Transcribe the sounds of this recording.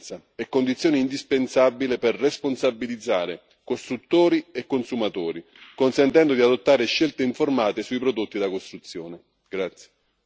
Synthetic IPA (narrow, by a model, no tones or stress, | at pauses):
t̪sa | ɛkːond̪it̪sjoːniind̪ispensabːilepɛrːesponsabːilid̪zːaːɾɪ | kost̪ɾut̪ːoːɾiɛkːonsumat̪oːɾi | konsɛnt̪ɛnd̪od̪iad̪ot̪ːaːɾɪʃːelt̪eiɱformaːt̪esuipɾod̪ot̪ːid̪akost̪ɾut̪sːjoːnɪ | ɡ̥ɾat̪sje̥